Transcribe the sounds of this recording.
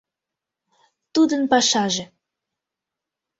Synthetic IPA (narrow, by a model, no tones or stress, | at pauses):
t̪ud̪ənpɑʃɑʒĕ